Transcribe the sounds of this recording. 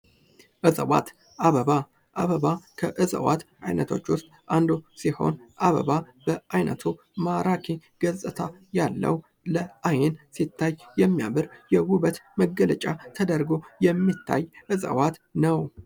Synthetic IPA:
ʔɨzʼəwa̰t̪ | ʔaβəβa | ʔaβəβakʰəʔɨzʼə̰wa̰t̪ | ajnət̪ʰo̞t͡ʃːwʊst̪ʼʔand̪usiho̞̰nʔaβə̰βa | b̥əʔajnə̰t̪ʰu | maɾakʰiɡ̥əzʼɨt̪ʰajalːə̰w | ləʔajɛnsit̪ʰːajːɛmːjaβɨɾjɛwʊβət̪məɡələt͡ʃʼat̪ʰəd̪əɾɡo̞jɛmːit̪ʰːa̰jʔɨzʼə̰wat̪nəw

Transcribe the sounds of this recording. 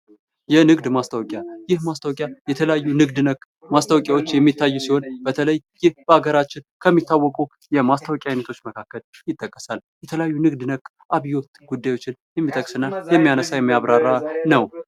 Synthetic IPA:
jɛnɨɡd̪mast̪ʰawkʼjajɪhmast̪ʰawkʼjajɛt̪ʰələjajːunɨɡd̪nəkʼː | mast̪ʰawkʼjawot͡ʃːjɛmːit̪ʰːajːusiho̞nbət̪ʰələjːɪhbəaɡəɾat͡ʃːɪnkʰəmːit̪ːawːɔkʼu | jɛmast̪ʰəwkʼjajnət̪ʰo̞t͡ʃːməkʰakːəljɪt̪ʼːəkʼːəsaljɛt̪ʰələjajːunɨɡd̪nəkʼː | ʔaβijo̞t̪ɡud̪ːajwo̞t͡ʃːɪnjɛmːit̪ʼəkʼsɨnːajɛmːijanəsajɛmːijaβɾaɾːanəw

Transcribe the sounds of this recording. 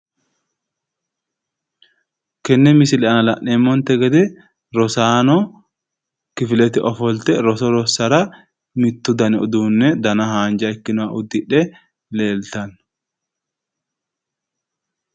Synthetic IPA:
kɛnːɛmɪsɪlɛɐnɐlɐʔːeːmːɔnt̪ɛɡɐd̪ɛ | ɾɔsaːnɔ | kɪfɪlɛt̪ɪʔɔfɔlt̪ɛɾɔsɔɾɔsɐɾɐ | mɪt̪ːʊd̪ɐnɛɔ̰d̪uːnːɛd̪ɐnɐɦaːnd͡ʒɐɪkːɪnʊwaʔʊd̪ːɪᶑɛ | leːlt̪ɐn

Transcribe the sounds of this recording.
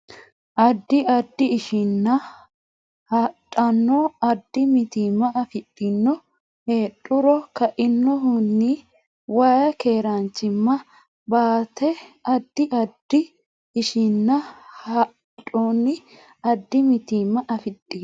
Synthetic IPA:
ʔɐd̪ːɪɐd̪ːɪːʃɪnːɐ | hɐtʼːɐnːoɐd̪ːɪmɪt̪iːmːɐɐfɪtʼːɪnːɔ | heːɗʼʊɾɔkɐʔɪnːɔɦʊnːɪ | waːjɐke̞ːɾɐnt͡ʃːɪmːɐ | baːt̪ɛɐd̪ːɪʔɐd̪ːɪː | ʃɪnːɐhɐ | tʼoːnɪ | ɐd̪ːɪmɪt̪iːmːɐʔɐfɪtʼːiː

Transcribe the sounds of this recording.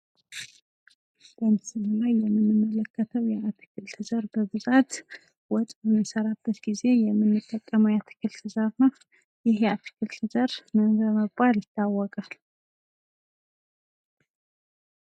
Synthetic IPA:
b̥ənsɨmulajːɛmːɨnːɨmːələkːət̪ʰəwjɛat̪ʰɨ̥kʰɨlt̪ʰɨzəɾbəbɨzat̪ | wɔt̪ʼɨmɨsəɾabːət̪ɡize̞jɛmːɨnːɨt̪ʼːəkʼːəməwjat̪ʰɨ̥kʰɨlt̪ʰɨzəɾna | jɪhjat̪ʰɨ̥kʰɨlt̪ʰɨzəɾmənbəməɡbaljɪt̪ʰːawːɔkʼal

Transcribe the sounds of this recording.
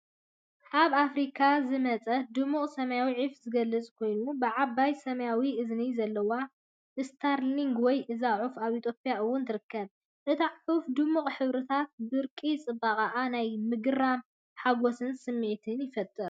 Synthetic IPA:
ʔaβafɾikʰazɨmɐt͡sʼɐd̪ɨmːuχʼsɐmɐjawiʕifzɨɡɐlːɨt͡sʼkʰo̞jnubɨʕabːajsɐmɐjawiʔɨznizɐlːɐwa | ʔɨst̪ʰaɾliŋɡwɔjʔɨzaʕufaβit̪ʰjo̞pʼjaʔɨwːʊnt̪ʰɨɾɨkːɐβ | ʔɨt̪ʰaʕʕufd̪ɨmːuχʼħɨβɾɨt̪ʰat̪̚bɨɾkʼit͡sʼɨbaqʼaʔanajmɨɡɨɾam | ħaɡosɨnsɨmːɨʕt̪ʰɨnjɪfɐt̪ʼːɨɾ

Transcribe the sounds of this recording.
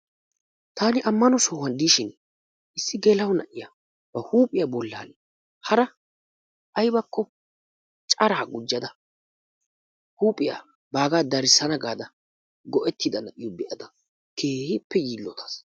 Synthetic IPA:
t̪aːnɪʔɐmːɐnɔsoːwɐnd̪iːʃɪn | ɪsːɪɡɛlɐwnɐʔɪja | b̥ɐhuːpʼɪjaːbɔlːa̰ːn | hɐɾɐ | ʔɐjbɐkːɔ | t͡ʃʼɐɾaːɡʊd͡ʒːɐd̪ɐ | huːpʼɪja̰ | baːɡaːd̪ɐɾɪsːɐnɐɡaːd̪ɐ | ɡɔʔɛt̪ʰːɪd̪ɐnɐʔɪjɔbɛʔɐd̪ɐ | kʰeːhɪpːɛjiːlːɔt̪ʰɐ̥s

